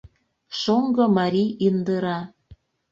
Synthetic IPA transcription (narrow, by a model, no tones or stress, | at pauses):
ʃoŋɡɤ̆mɑɾʲiind̪əɾɑ